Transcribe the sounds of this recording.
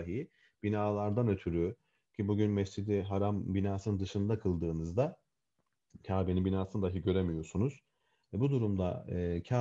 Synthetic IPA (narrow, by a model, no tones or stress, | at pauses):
aɦi | b̥inaːlˠaɾd̪anø̞t̪ʰyɾy | cʰibuɟynmɛst͡ʃid̪iɦaɾambinaːsɯnɯnd̪ɯʃɯnd̪akʰɯlˠd̪ɯːnɯzd̪a | cʰaːbinibinaːsɯnd̪aɦɯɟø̞ɾemijo̞ɾsunuz̥ | ɛbud̪uɾumd̪a̰ɯːcʰaː